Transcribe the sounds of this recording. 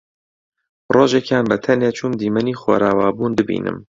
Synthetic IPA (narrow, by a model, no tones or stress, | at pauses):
roːʒekjaːnbɛt̪ʰɛnet͡ʃʰumd̪iːmɛniːxwo̰ɾaːwaːbuːnd̪ɨbḭːnʔɨ̰m